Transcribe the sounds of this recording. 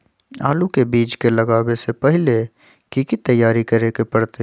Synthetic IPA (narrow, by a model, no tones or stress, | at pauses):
aːlukebiːt͡ʃkelɐɡaːwesepɛɦɪle | kikit̪ɐjːaːɾikɐɾeːkepɐɽt̪e